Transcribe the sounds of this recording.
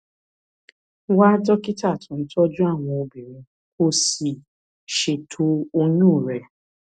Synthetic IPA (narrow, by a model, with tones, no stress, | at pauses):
wa˦tɔ˦ki˦ta˦˨tʰũ˨n̩˦tɔ˦d͡ʒũ˦a˦˨w̃ɔ̃˧o˧bi˨ɾĩ˧ | ko˦si˨ | ʃe˨tʰo˧o˧ɲũ˦˨ɾɛ˨